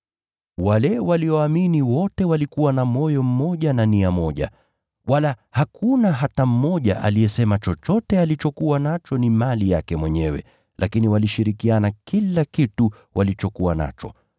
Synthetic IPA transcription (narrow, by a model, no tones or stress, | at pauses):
walɛwaliɔaminiwɔtɛwalikuwanamɔjɔm̩mɔʄananiamɔʄa̰ | walahakʰunaɦatam̩mɔʄa̰ʔa̰lijɛsɛmat͡ʃɔt͡ʃɔtɛalit͡ʃɔkuwanat͡ʃɔnimalija̰kɛmwɛɲɛwɛ̰ | lʔakiniwaliʃiɾikianakilakitu | wʔalit͡ʃɔkuwana̰t͡ʃɔ̰